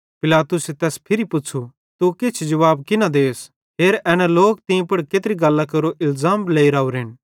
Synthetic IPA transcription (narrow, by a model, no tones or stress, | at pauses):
pɪlaːt̪ʊset̪ɛːspʰɪɾipʊːt͡ʃʰu | t̪ukɪt͡ʃʰd͡ʒɐʋaːbkɪnãd̪eːs | ɦeːɾɛːnɛloːk̚t̪ɪĩpɐɽkeːt̪ɾiɡɐlːakɐɾoʔɪlzaːmleːiɾaːuɾɪn